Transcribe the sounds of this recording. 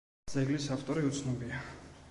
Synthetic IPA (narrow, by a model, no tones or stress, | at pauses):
d̪z̥ɛɡlisaft̪ʼɔɾiut̪sʰnɔbia